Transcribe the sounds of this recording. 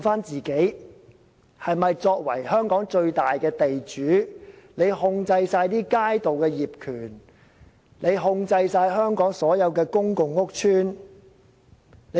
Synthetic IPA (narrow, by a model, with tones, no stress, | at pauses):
faː˥nt͡siː˨ke˨˥j | hɐ˨jmɐ˨jt͡sɔː˧k̚wɐ̰˨˩jhœː˥ŋkɔː˨˥ŋt͡ʃɵ˧ɥt̪aː˨jkɛː˧t̪e˨jt͡ʃyː˨˥ne˨˧jhʊ˧ŋt͡sɐ˧jsaː˧jt̪iː˥kaː˥jt̪o˨wkɛː˧jiː˨p̚kʰyː˨˩n | ne˨˧jɦʊ˧ŋt͡sɐ˧jsaː˧jɦœː˥ŋkɔː˨˥ŋsɔː˨˥jɐ˨˧wkɛː˧kʊ˥ŋkʊ˨˧ŋːʊ˥k̚t͡ʃʰyː˥n | ne˨˧